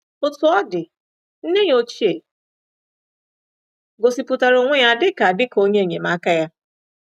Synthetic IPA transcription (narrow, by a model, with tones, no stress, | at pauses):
ʊ˨tʊ˨ɔ˦dɪ˨ | n̩˦ne˦ɲo˦t͡ʃi˦e˨ | ɡo˨si˨pu˨ta˨ɾo˨ŋʷe˦ja˨dɪ˦ka˨dɪ˦ko˦ɲe˦e˨ɲe˨ma˦ka˦ja˦